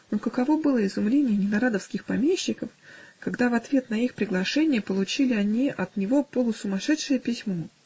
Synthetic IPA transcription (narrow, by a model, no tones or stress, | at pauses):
nokəkɐvo̞bɨlˠəɪzʊmlʲenʲɪjənʲɪnɐɾad̪əfskʲɪxpɐmʲeɕːɪkəfkɐɡd̪avɐt̪vʲe̞t̪nɐixpɾʲɪɡlˠɐʂɛnʲɪjəpəlˠʊt͡ɕilʲɪɐnʲiʔɐt̪nʲɪvo̞polˠʊsʊmɐʂɛt̪ʂɨjəpʲɪsʲmo